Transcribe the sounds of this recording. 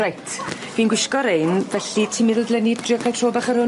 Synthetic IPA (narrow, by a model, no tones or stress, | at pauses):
ajtʰ | v̥iːnɡwɪʃkɔɾejnvɛɬitʰimɪðəlˠdlɛnɪdrɪkʰajtroːbaχəɾhʊ